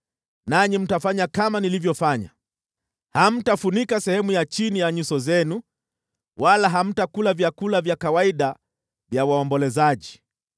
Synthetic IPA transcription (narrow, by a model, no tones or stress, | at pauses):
naɲim̩tafaɲakamanilivjɔfaɲa̰ | ham̩tafunikasɛhɛmujat͡ʃinijaɲusɔzɛnu | walaɦam̩takulavjakulavjakawaiɗa | vjawaɔmbɔlɛzaʄi